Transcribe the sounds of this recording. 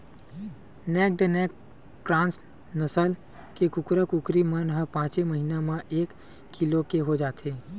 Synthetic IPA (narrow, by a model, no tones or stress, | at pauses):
nɛːk̚ɖənɛːk | kɾãːns | nəsəl | kekʊkɾəkʊkɾimənɦəpãːt͡ʃeməɦinamãʔeːkʰː | ilokeɦod͡ʒaːt̪eː